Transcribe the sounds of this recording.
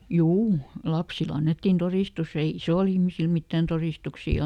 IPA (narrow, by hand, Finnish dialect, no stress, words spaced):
juː lɑpsil ɑnːetːin toriˑstus ei isoˑl ihmisil mitːæn toriˑstuksiˑ